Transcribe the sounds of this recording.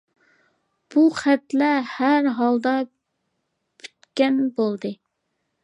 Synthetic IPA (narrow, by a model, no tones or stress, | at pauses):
b̥uχæt̪lɛhæɾɦɑlˠd̪ɑ | pʰy̥t̪kʲɛnbolˠd̪ɨ